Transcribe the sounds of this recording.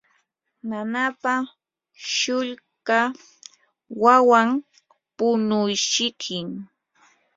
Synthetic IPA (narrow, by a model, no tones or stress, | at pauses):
nanapa | ʃʊʎɢka | wawaŋ | pʊnʊjʃɪkʰɪŋ